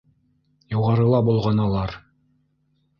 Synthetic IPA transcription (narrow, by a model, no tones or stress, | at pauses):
juʁɑɾɤ̆lˠɑbulˠʁɑnɑlˠɑɾ